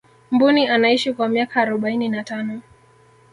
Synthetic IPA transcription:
m̩bunianaiʃikwamiakaːɾɔɓaininatanɔ

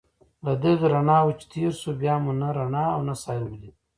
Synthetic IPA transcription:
lad̪əd̪ɾaɳɑːwut͡ʃt̪ʰiɾsubjaːmunaɾaɳɑːwnasaːjɾmli

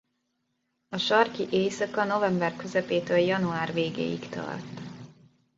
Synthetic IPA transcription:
ɒʃɒrkiʔeːsɒkɒno̞vɛmbɛrkø̞zɛpeːt̪øːljɒnuaːrveːɡḛːjḭkt̪ɒ̰rt̪

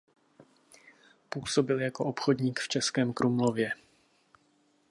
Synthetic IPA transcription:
puːso̞bɪljako̞ʔopxo̞dɲiːkft͡ʃɛskɛːmkɾʔumlo̞vjɛ

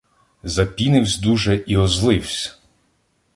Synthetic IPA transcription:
zɐpʲinɪwsʲd̪uʒɛʔiɔzlˠɪwsʲ

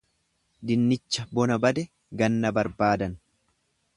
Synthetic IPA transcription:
d̪ɪnːɪt͡ʃːɐbɔnɐbɐd̪ɛ | ɡɐnːɐbɐɾbaːd̪ɐn

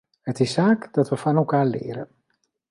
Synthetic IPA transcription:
hətɪsːaːkd̥ɑtʋəfɑnɛlˠkaːɹlɪ̰ːɾə̰n

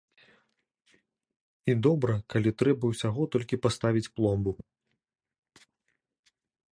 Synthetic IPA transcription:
id̪ɔbɾɐkalʲit̪ɾɛbɐwsʲaɣɔt̪ɔlʲkʲipast̪avʲit͡sʲplˠɔmbu

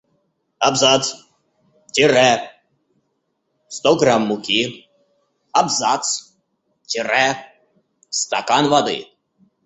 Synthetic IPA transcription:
abzat̪s | tʲɪɾɛ | st̪ɔɡɾamːʊkʲi | abzat̪s | tʲɪɾɛ | st̪akanvad̪ɨ̰

